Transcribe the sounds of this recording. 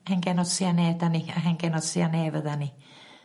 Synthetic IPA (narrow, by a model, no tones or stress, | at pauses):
heŋkenossiɑneˑet̪æniheŋkenossiɑneˑeʋæt̪æni